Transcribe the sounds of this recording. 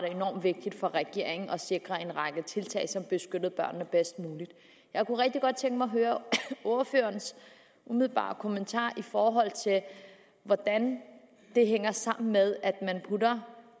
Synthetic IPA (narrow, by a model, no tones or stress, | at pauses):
ɾee̝nɒ̰ːmʋe̝ɡ̥̚d̥id̥fɒ̽ʁɛɡ̥e̝̰ɐ̰e̝ŋ̩ʔɒ̽se̝ɡ̥ʁɐe̝nʁɑ̈ɡ̥ət͡sʰe̝lt͡sʰɛ̰ːɪsɒ̽mb̥e̝sɡ̥ød̥ð̞̩ˠb̥ɶɐ̰nːəb̥esd̥̚muːlid̥ | jɑ̈ɪkuʁɛɡ̥̚d̥iɡ̥ɒ̽d̥̚t͡sʰeŋɡ̥əmɑ̈ɦøːɐoɐfø̰ːɐns | umið̞ˠlb̥ɑ̰̈ːkʰo̝mənt͡sʰɑ̰̈ːʔifɒːɦɒ̽l̰t͡sʰe̝l | ʋɒd̥æn | d̥e̝ɦeŋ̰ɐsɑ̈m̰n̩með̞ˠæd̥mænpʰudɐ